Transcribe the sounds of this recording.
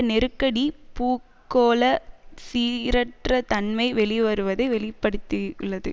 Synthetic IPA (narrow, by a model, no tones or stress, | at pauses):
nɛɾɯkːɐɽipuːkːoːlɐsiːɾɐʈrɐt̪ɐnmɐɪʋɛɭiʋɐɾɯʋɐðɐɪʋɛɭɪpːɐɽɯt̪ːɯɭːɐðɯ